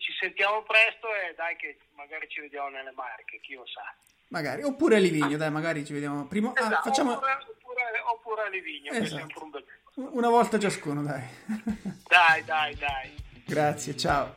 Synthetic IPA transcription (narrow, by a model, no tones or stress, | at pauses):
t͡ʃisent̪jaːmopɾɛst̪oed̪ajke | maɡaːɾit͡ʃived̪jaːmonelːemarkek̟ilosa̰ | maɡaːɾiopːuːɾealiviɲːod̪ajmaɡaːɾit͡ʃived̪jaːmopɾiːmoafat͡ʃt͡ʃːaːmoɾeopːuːɾeopːuːɾealiviɲːoezzaampɾumbele | unavɔlt̪at͡ʃaskuːnod̪aj | d̪ajd̪ajd̪ajɡɾat̪sːjet͡ʃao